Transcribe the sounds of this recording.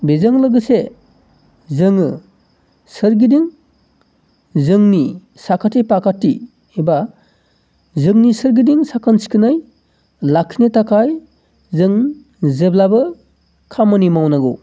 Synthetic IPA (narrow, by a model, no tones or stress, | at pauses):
bezɯŋlɯɡɯse | zɯŋɯ | sɯɾɡidiŋ | zɯŋni | sakʰatipakʰati | eba | zɯŋnisɯɾɡidiŋsakʰɯnsi̥kʰɯnɯj | lakʰinetakʰaj | zɯŋ | zeblabɯ | kʰamɯnimawnaɡu